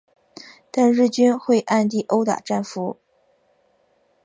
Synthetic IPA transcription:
t̪a˥˧nɻ̩˥˩t͡ɕy˥nxwe˥˧ɪʔa˥˧nt̪i˥˩ʔo˥ʊt̪a̰˨˩ʈ͡ʂa˥˩nfu˧˥

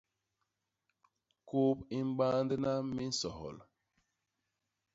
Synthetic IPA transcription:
ko˦pi˦m˦ɓa˦ndə˦na˦mi˦n̩˦sɔ˨hɔ̰˨l

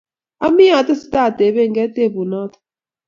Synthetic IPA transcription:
a˦mi˦ja˨t̪a˦si̥˨˦ta˦˨tɛ˨βɛ˦˨ŋɡɛ˦te˦˨βu˨na˦t̪ʰ

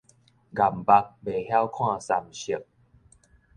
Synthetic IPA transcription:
ɡa˨˩mba˧k̚be˨˩hja˦wkʰw̃ã˥˧˨sa˨mɕi˨˩k̚

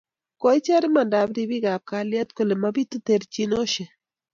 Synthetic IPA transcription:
kɔ˦ɪ˦t͡ʃa˦ɾɪ˦ma˨nda˨bɾi˦bi˦ɡa˨p̚ka˨lja˦t̪̚ko˦˨le˨ma˦bi˦t̪u˦t̪e˨ɾt͡ʃi˦no˦ʃe˨

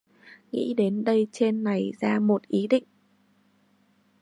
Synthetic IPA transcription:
ŋḭ˧˥ɗe˨˦nɗə˧jt͡ɕe˧nːa˨˩jzaː˧mo˨˩t̚ʔi˨˦ɗḭ̈˧˨ŋ̟

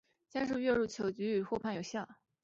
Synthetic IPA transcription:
t͡ɕjɛ˥nʂ̬ɻ̩˥˧ɥɛ˥˧ɻu˥˩t͡ɕʰjo˨˩ʊt͡ɕy˧˥y˨˩xwɔ˥˧pʰa˥˩njo˨˩ʊɕjɑ˥˩

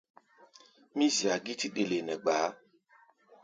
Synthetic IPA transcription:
mĩ˦zi˨a˨ɡi˦ti˦ɗe˨le˨nɛ˨ɡ͡baː˨˦

